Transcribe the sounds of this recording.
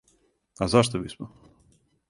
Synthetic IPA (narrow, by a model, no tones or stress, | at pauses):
azaʃt̪obismɔ